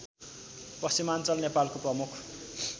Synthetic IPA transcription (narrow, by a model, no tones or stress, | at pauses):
pʌsimant͡sʌlnepalkoprʌmukʰ